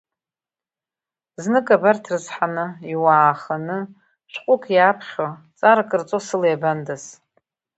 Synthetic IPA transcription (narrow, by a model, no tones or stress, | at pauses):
znɨkʼabartʰrɨzħanɨiwaːχanɨ | ʃʷqʷʼʊkʰʼjapʰχʲo | t͡sʼaɾakʼɨrt͡sʼosɨlejbandas